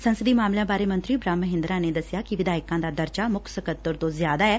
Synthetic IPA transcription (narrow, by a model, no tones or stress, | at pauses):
sənsəd̪iːmaːmlãːbaːɾeːmə̃nt̪ɾiːbɾãːmːəɦɪ̃nd̪ɾãːneːd̪əsɪjaːkiʋɪd̪aːɪkãːd̪aːd̪əɾt͡ʃaːmʊkʰsəkət̪ːəɾt̪õːzjaːd̪aːɛː